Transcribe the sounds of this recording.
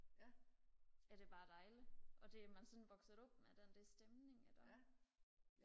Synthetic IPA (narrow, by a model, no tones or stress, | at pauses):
æd̥e̝b̥ɑ̈ːd̥ɑ̈ɪliʔɒ̽d̥e̝æmænsɔ̽nʋɒ̽ɡ̥sð̩ˠɔ̽b̥med̥end̥æsd̥emne̝ŋæd̥ɒ